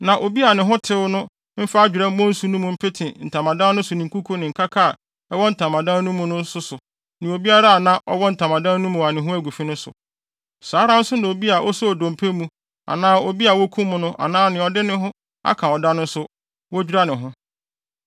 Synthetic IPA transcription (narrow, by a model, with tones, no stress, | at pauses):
nã˨ʔo˨bi˦a˨nɪ̃˨ɦʊ̃˦tʰɪ˦wʊ˦nʊ̃˦ | m̩˦fa˦a˦d͡ʑᶣɪ˨ɾɛ˦m̩˦mɔ̃˦n̩˦su˦nũ˦mũ˨m̩˦pʰe˦tʰɪ̃˨n̩˨tʰã˨mã˨dã˦n˦nʊ̃˦sʊ˨nɪ̃˨ŋ˨ku˦kʰo˦nɪ̃˨ŋ̩˨kʰa˦kʰa˦˨ | ɛ˦wɔ˦n̩˨tʰã˨mã˨dã˦nũ˦mʊ̃˦nʊ̃˦n˦sʊ˦sʊ˨ | nɪ̃˨o˨bi˦a˦ɾa˦˨nã˦ʔɔ̰˦wɔ˦n̩˨tʰã˨mã˨dã˦n˦nũ˦mũ˨wa˨nɪ̃˨ɦʊ̃˦æ˦ɡʷu˨fi˦nʊ̃˦sʊ̰˨ | saː˨˦ɾã˦n̩˦sʊ˦nã˨o˨bi˦a˨ʔɔ˦sɔ˦ɔ˨dɔ̃˨m̩˨pʰe˦mũ˦ | a̰˨nãː˦o˨bi˦a˨wɔ˦kʰũ˦m˦mʊ̃˦nʊ̃˦ʔa̰˨nãː˦nɪ̃˨ɔ˨dɪ˦nɪ̃˦ɦʊ̃˦ | a̰˦kʰã˨ɔ˨da˦nʊ̃˦n̩˦sʊ˦ | wɔ˦d͡ʑᶣi˦ɾa˦nɪ̃˨ɦʊ̃˦